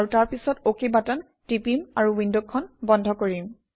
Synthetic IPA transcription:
aɹutaɹpisɔtokebatan | tipimaɹuwindokkʰːɔnbɔndʱɔkoɹim

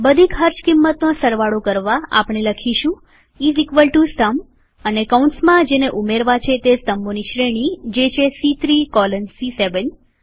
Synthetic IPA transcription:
bəd̪ʱikʰɦəɾt͡ʃkimːət̪nosəɾʋaɽokəɾʋaa̰pɳ̃eləkʰiʃũ | izikʋəlʈusʈ̪əm | ənekaũɳʈsmãd͡ʒeneʔumeɾʋat͡ʃʰet̪est̪əmoniʃɾeɽ̃id͡ʒet͡ʃʰesit̪ɾikɔlənsiseʋən

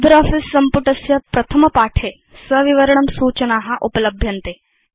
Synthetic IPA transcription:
d̪ɐɾɔːfisːɐmpʊʈɐsjɐpɾɐt̪ʰɐmɐpaːʈʰeː | sɐʋiʋɐɾəɳ̃ɐmsuːt͡ʃɐnaːɦɐʔupɐlɐbʱjɐnt̪eː

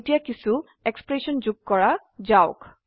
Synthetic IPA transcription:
tijakisu | ekspɹesɔnd͡ʒuɡ̚kɔɹa | zaʊk

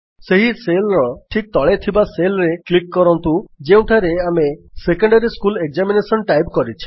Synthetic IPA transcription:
seɦiselɾɔʈʰik̚t̪ɔɭet̪ʰibaselɾeklikːɔɾɔnt̪ud͡ʒeũʈʰaɾeamesekɔɳɖaɾiskulek̚zaminesɔnʈajbkɔɾit͡ʃʰi̥

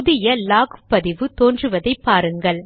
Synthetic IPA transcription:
ʊðɪjɐlaːɣɯpːɐðɪʋɯt̪oːndrɯʋɐðɐɪpːaːɾɯŋɡɐɭ

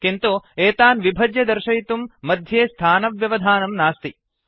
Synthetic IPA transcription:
kint̪ueːt̪aːnʋibʱɐd͡ʒjɐd̪ɐɾʃɐjt̪umːɐd̪ʱjeːst̪ʰaːnɐʋjɐʋɐd̪ʱaːnɐmnaːst̪i

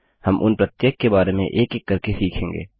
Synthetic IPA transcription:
hɐmʔʊ̰npɾət̪jeːkːebaːɾemḛ̃ʔeːkekːɐɾkesiːkʰẽːŋɡḛː

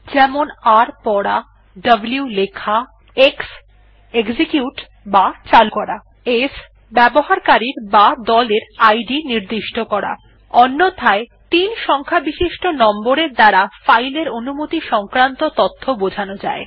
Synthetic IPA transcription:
d͡ʑɛmonaɾpɔɽa | ɖɐbljulekʰa | eks | eɡd͡ʑikjuʈ | bat͡ɕalukɔɾa | es | bɛboɦaɾkaɾiɾbad̪ɔleɾajɖiniɾd̪iʃʈokɔɾa̰ | ɔnːot̪ʰaet̪inʃɔŋkʰabiʃiʃʈonɔmboɾeɾd̪aɾafajleɾonumot̪iʃɔŋkɾant̪ot̪ɔt̪ʰːobod͡ʑʱanod͡ʑa̰e

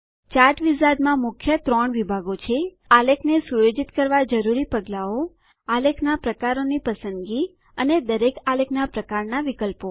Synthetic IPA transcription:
t͡ʃaɾʈʋisad̪mãmʊkʰjət̪ɾɔɳʋibʱaɡot͡ʃʰe | alekʰnesujod͡ʒit̪kəɾʋad͡ʒəɾuɾipəɡlao | alekʰnapɾəkaɾonipəsənd̪ɡi | əned̪əɾekalekʰnapɾəkaɾnaʋikəlpo

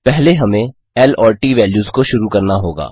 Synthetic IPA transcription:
pɛɦleɦɐmẽ | ɛːlɔːɾʈiːʋɛːljuːzkoʃʊɾukɐɾnaɦoːɡa̰ː

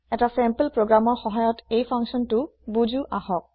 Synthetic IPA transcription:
ɛtasɛmplpɹoɡɹamɔɹxɔɦajɔtejpʰaŋksɔntʊbud͡ʒuʔahɔk̚

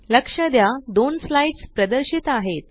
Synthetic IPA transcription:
ləkʂəd̪jad̪onslaiɖspɾəd̪əɾɕit̪aɦet̪

